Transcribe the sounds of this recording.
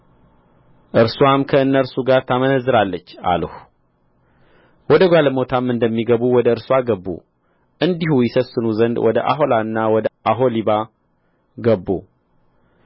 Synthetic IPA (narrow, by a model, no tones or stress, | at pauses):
ʔɨɾswamkʰəɨnːəɾsuɡaɾt̪ʰamənəzːɨɾalːət͡ʃːa̰ləh | wɔd̪əɡʷaləmo̞t̪ʰamːɨnd̪əmːiɡəβuwɔd̪əɨɾswaɡəbːṵ | ʔɨnd̪ihujɪsəsːɨnuzənd̪wɔd̪ə̰ʔa̰ɦo̞laɨnːawɔd̪əʔaɦo̞liβa | ɡəbːṵ